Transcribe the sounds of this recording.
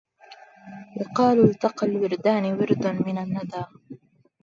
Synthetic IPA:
wɪqɑːllt̪aqalwɪɾd̪aːnɪwɪɾd̪anmɪnanːad̪aː

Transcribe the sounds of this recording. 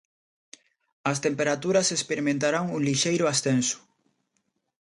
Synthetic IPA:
ɐst̪empeɾat̪uɾɐsespeɾimẽnt̪aɾaŋuŋliʃejɾʊast̪ensʊ̥

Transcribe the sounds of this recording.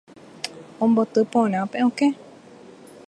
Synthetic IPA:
õmbot̪ɨpõɾ̃ãpẽõke

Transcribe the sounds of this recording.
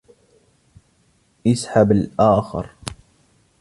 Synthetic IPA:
ʔɪsħabalʔaːxɪ̰ɾ

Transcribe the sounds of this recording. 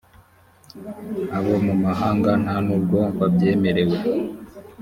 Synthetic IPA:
aβo̞mumaɦaːŋɡan̥hanuːb̚ɡo̞βabje̞ːme̞ɾe̞we̞

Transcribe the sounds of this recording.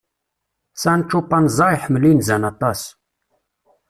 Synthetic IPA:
sænt͡ʃːupːɑnzˤɑjħmlinzænɑt̪ˤɑs

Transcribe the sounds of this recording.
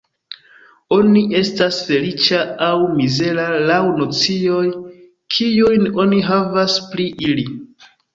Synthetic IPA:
o̞niʔe̞stasfe̞lit͡ʃaawmize̞ɾalawno̞t͡sioj | kʰijujno̞niɦavaspliʔili

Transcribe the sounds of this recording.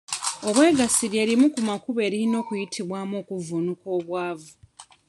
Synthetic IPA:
o̞βwe̞ːɡasiɾje̞ːɾimukumakuβe̞ːɾino̞ːkujitʰiβwaːmo̞ːkuvunuko̞ːβwaːvu

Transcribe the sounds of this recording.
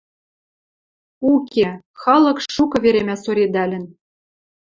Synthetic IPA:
uke | xɑlɤ̆kʃukɤ̆βeɾemʲæsoɾʲed̪ælʲɘ̆n

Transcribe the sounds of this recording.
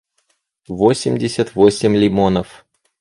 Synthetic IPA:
vosʲɪmʲdʲɪsʲət̪vosʲɪmʲlʲɪmonəf

